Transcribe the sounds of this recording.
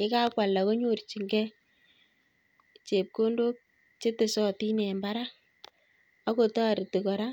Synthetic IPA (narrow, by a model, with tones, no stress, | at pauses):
ɪ˦ka˦kwa˨lːa˨ko˦ɲo˦˨rt͡ʃi˨ŋɡɛ˦ | t͡ʃe˨p̚ko˦ndo˦k̚ | t͡ʃe˦te˨sɔ˦ti˦nɛ˨mba˦ɾa˦ | a˦ko˨tɔ˦a˨ɾi˨ti˨kɔ˨ɾa˦